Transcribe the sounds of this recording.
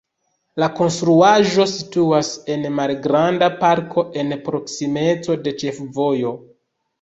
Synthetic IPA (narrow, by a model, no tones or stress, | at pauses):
lako̞nstɾuaʒo̞situase̞nmalɡɾandapaɾkʰo̞ʔe̞npɾo̞ksime̞t͡so̞de̞t͡ʃe̞fvo̞jo̞